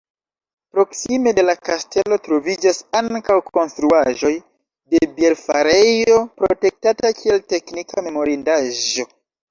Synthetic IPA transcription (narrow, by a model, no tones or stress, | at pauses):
pɾo̞ksime̞de̞lakaste̞lo̞tɾo̞vid͡ʒasaŋkawko̞nstɾuaʒo̞j | de̞bieɾfa̰ɾe̞jo̞pɾo̰te̞k̚tatakʰie̞lte̞knikʰame̞mo̞ɾindaʒo̞